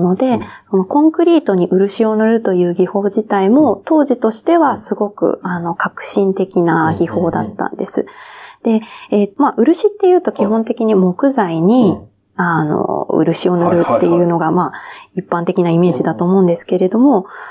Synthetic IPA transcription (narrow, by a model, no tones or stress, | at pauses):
no̞d̪e̞so̞no̞kõ̞ŋkɯ̟ɾʲiːt̪o̞ɲ̟iʔɯ̟ɾɯ̟ɕio̞nɯ̟ɾɯ̟t̪o̞jɯ̟ːɡʲiho̞ːd͡ʑit̪aimo̞t̪o̞ːʑit̪o̞ɕi̥t̪e̞βasɨɡo̞kɯ̟̰ano̞kakɯ̟̥ɕĩnt̪e̞kʲinaɡʲiho̞ːd̪at̪ːã̰nd̪e̞sɨ̰d̪̥e̞emaʔɯ̟ɾɯ̟ɕit̪ːe̞jɯ̟ːt̪o̞kʲiɦõ̞nt̪e̞kʲiɲ̟imo̞kɯ̟zaiɲ̟i | ano̞̰ɯ̰ɾɯ̟ɕio̞nɯɾɯ̟t̪ːe̞jɯ̟ːno̞ɡamaːipːãnt̪e̞kʲinaime̞ːʑid̪at̪o̞ːmo̞ɯ̃nd̪e̞sɨ̥ke̞ɾe̞d̪o̞mo̞